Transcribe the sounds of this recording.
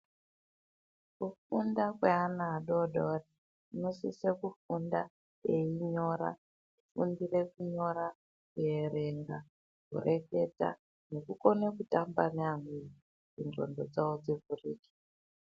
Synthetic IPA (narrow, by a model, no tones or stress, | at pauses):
kufundakweanaːɗoɗori | inosḭsekufunda | eiɲo̞ɾa̰ | ifṵndirekuɲo̞ɾa | kuere̞ŋɡa | kṵrʔeke̞ta̰ | nekuko̞nekutambaneamii | d͡zinro̰ndo̰d͡zaod͡zivuriːki̥